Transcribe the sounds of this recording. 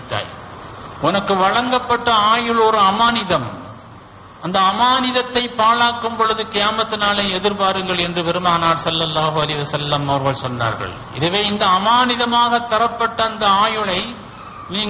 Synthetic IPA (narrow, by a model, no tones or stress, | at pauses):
t̪ːa̰ːj | ʔʊnɐkːɯʋɐɻɐŋɡɐpːɐʈːɐaːjɯɭɔɾɯɐmaːnɪðɐm | ɐnd̪ɐːmaːnɪðɐt̪ːɐɪpːaːɭaːkːɯmpɔɻɯðɯkɪjaːmɐt̪ːɯnaːlɐɛðɪɾpaːɾɯŋɡɐɭɛndrɯpɛɾɯmaːnaːʈsɐlːɐlːaːɦɯɐlɐɪɪʋɐsɐlːɐmɐʋɐɾɣɐɭsɔnːa̰ːɾɣɐ̰ɭ | ɪ̰ðɐʋeːɪnd̪ɐːmaːnɪðɐmaːɣɐt̪ːɐɾɐpːɐʈːɐːnd̪ɐaːjɯɭɐɪ | niːŋ